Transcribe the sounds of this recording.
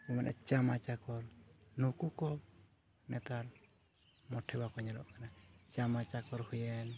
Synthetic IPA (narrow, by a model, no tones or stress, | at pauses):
ɔmanʔɛ̰t͡ʃamat͡ʃakɔɾnukukɔ | nɛt̪aɾ | mɔʈʰɛbakɔɲalɔ̰ʔkanat͡ʃamat͡ʃakɔɾhujɛn